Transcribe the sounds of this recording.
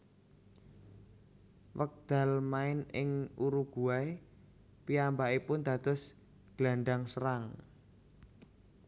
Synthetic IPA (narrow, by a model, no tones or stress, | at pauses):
wək̚d̪̥a̤lmaɪnɪŋuɾuɡ̥uae | piambaʔipʊnd̪̥ä̤d̪̥ɔ̤s | ɡ̥laɳɖaŋsəɾaŋ